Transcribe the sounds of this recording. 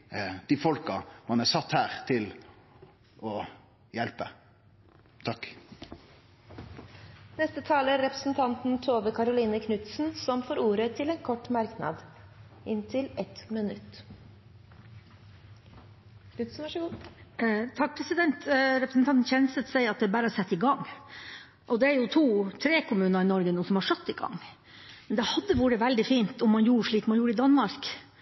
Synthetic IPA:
d̪̥ifɔlkɑmɑnæsɑt̪ːhæːʁt̪ʰɪl | ʔɔ | jɛlpə | t̪ʰɑkː | nɛst̪ət̪ʰɑːləɾɛpɾəsn̩t̪ʰɑnt̪n̩t̪ʰoːʋəkʰɑɾʊliːnəkʰnʉt̪sn̩sɔmfoːɾuːɾət̪ʰɪlɛːnkʰɔʈːmɑɾknɑ̰d̪ | ɪnt̪ʰɪlɛt̪mɪnʉ̰t̪ː | t̪ʰɑk̚pʰɾɛsɪd̪ɛnt̪ɾɛpɾəsn̩t̪ʰɑnt̪n̩çɛnsət̪sæɪɑt̪̚d̪ɛbæːɾəɑsɛt̪ːɪɡɑŋː | ʔɔd̪ɛæɾjʊt̪ʰuːt̪ʰɾeːkʊmʉːnəɾɪnɔɾɡənuːsɔmhɑʂœt̪ːɪɡɑ̰ŋː | mɛnd̪ɛhɑd̪ːəʋuːɾəʋæld̪ɪfiːnt̪ɔmːɑnjuːɾəʂɭiːkmɑnjuːɾəɪd̪ɑnmɑɾk

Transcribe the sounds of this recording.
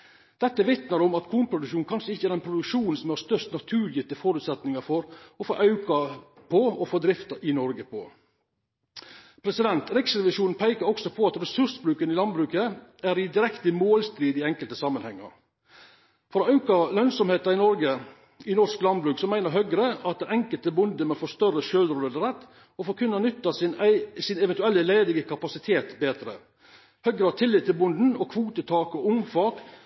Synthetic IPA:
d̪̥ɛt̪ːəʋɪt̪nəɾɔmɑt̪kʰuːnpʰɾʊd̪ʉʃuːnkɑnʂəɪçːəæɾɛnpʰɾʊd̪ʉkʃuːnn̩sɔmhɑst̪œʂt̪nɑt̪ʰʉːɾjɪt̪əfoːɾʉːt̪sɛt̪nɪŋɑfɔɾɔfoːʔɑʉkɑ | pʰɔɔfoːd̪ɾɪft̪ɑɾʔɪnɔɾɡəpʰɔ̰ | pʰɾɛsɪd̪ɛnt̪ɾɪksɾɛʋɪʂuːnn̩pʰæɪkɑɾɔksɔpʰɔɑt̪ɾɛsʉɾsbɾʉːkənɪlɑnbɾʉːkəæɾɪd̪ɪɾɛkt̪əmoːlst̪ɾiːd̪ɪɛŋkəlt̪əsɑmːənhɛŋːɑ̰ɾ | fɔɾɔɑʉkɑlœnsɔmheːt̪ɑɾɪnɔɾɡə | ɪnɔɾʂklɑnbɾʉːksɔmæɪnəɾɦœɡɾəɑt̪̚d̪ɛɛŋkəlt̪əbʊnd̪əmɛfɔʂt̪œrːəʃøːlɾoːləd̪əɾɛt̪ː | ɔfɔːɾkʰʉnːɑnʏt̪ːɑsɪnɛʋɛnt̪ʉɛlːəleɪd̪ɪɡəkʰɑpɑsɪt̪ʰeːt̪beːd̪ɾə̰ | hœɡɾəhɑt̪ʰɪlːɪt̪ːɪlbʊnd̪n̩ɔkʰʋuːt̪ət̪ʰɑːkɔʊmfɑːk

